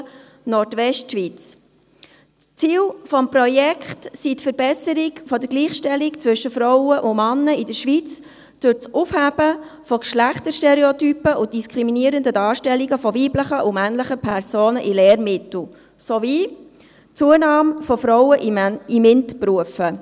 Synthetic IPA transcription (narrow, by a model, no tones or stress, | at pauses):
nɔtʋɛʃtʃʋit͡s | t͡siːlfɔmpɾɔjɛkχtsitfəɾb̥ɛsəɾikfɔdəɾɡliːχʃtɛlikt͡svʏʃəfɾɔʊəʔʊmɑnːəidəɾʃʋit͡s | d̥ʊt͡sʔufhæb̥əfɔkʃlæχtəɾʃtɛɾeotypəʔʊd̥iskʰɾiminiəɾəndədɑːɾʃtɛliɡəfɔʋiːbləχəʔʊmænləχəpʰɛɾsoːnəʔileːɾmɪtl̩ˠ | soviː | t͡suːənɑːmfɔfɾɔʊwəʔimɪntpruəfə